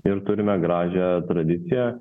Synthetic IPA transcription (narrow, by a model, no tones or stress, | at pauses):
ɪɾt̪ʊɾʲɪmʲɛɡɾɑːʒʲɛt̪ɾɐd̪ʲɪt̪sʲɪjɛ